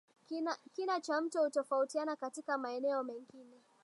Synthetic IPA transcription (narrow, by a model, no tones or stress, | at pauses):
kinat͡ʃam̩tɔhutɔfautianakatikamaɛnɛɔmɛŋɡinɛ